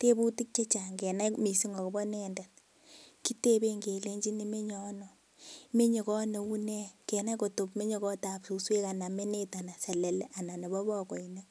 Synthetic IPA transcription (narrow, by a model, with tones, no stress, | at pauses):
te˦bu˦ti˦k̚t͡ʃe˦t͡ʃa˨ŋɡɛ˨na˦mi˨si˦ŋɡɔ˨kɔ˨bɔ˦nɛ˦ndɛ˨n | ki˦te˦be˦ŋɡe˨le˦ɲd͡ʒi˦ni˦me˦ɲɔ˨˦nɔ˨ | me˦ɲe˨kɔ˦ne˨u˦nɛ˦kɛ˨na˦ko˨to˨pme˦ɲe˦kɔ˦ta˨psu˨swe˦ka˨na˨me˦ne˦ta˨na˨sɛ˨lɛ˨lɛ˦ʔa˨na˨ne˨bɔ˦bɔ˦kɔ˨i˨ne˦